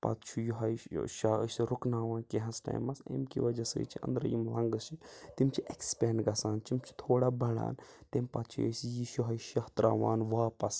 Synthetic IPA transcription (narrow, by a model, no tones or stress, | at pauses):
pɐ̰t̪t͡ʃʰujuɦɐiʃa̰ːsiɾʊknaːʋaːnkeɦɐ̃sʈɐ̰ːjmɐsḛːmkḭʋɐd͡ʒɐsə̰ːt͡ʃʰiʔɐ̰nd̪ɾɐjimlɐ̃ŋɡɨsit̪imt͡ʃʰiʔekspeːɳɖɡɐsaːnt͡ʃimt͡ʃʰi̥t̪ʰoːɽaːbɐɽa̰ːnt̪empɐt̪t͡ʃʰḛsjiʃuɦɐjʃɐht̪ɾaːʋaːnʋaːpɐs